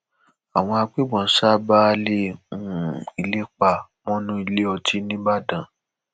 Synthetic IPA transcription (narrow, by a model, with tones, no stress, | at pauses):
a˨w̃ɔ̃˧a˧k͡pe˦ɡ͡bɔ̃˨n̩˦sa˦ba˦˧le˦˨ũ˦i˨le˦k͡pa˨mɔ̃˦nũ˦i˧le˦ɔ˧tʰi˨˦nĩ˦ba˦˨dã˨